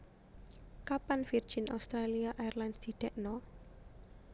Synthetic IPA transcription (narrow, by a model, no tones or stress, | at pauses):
kapanfir̥d͡ʒ̥inʔa̰wst̪ɾaliaʔajɛrlansd̪̥i̤ɖ̥ɛʔnɔ